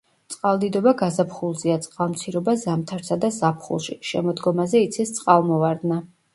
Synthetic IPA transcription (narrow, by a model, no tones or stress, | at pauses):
t̪sʼqʼalˠd̪id̪ɔbaɡazapʰχulˠziat̪sʼqʼalˠmt̪sʰiɾɔbazamt̪ʰaɾsad̪azapʰχṵlˠʃiʃɛ̰mɔd̪ɡɔmazɛit̪sʰist̪sʼqʼalˠmɔvaɾd̪na